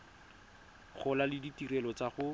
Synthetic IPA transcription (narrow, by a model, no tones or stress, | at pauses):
χʊlalɪditirɛlɔt͡saχʊ